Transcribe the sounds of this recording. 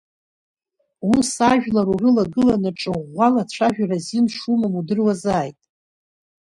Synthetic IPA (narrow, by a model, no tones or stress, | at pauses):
wusaʒᶣlaɾurɨlaɡɨlanaʈ͡ʂʼɨʁʷalat͡ɕʷʰaʒᶣarazinʂumamudɨrwazaːjtʼ